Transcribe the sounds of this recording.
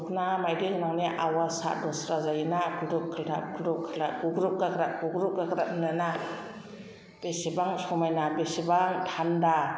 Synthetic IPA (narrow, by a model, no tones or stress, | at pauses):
knamajdɯŋnaŋniʔawasa̰dɔsɾazajinakʰudup̚kʰildap̚kʰudup̚kʰilaɡuɡɾup̚ɡakɾap̚ɡuɡɾup̚ɡakɾap̚mnɯna | b̥esibaŋsɔmajnabesibaŋtʰanda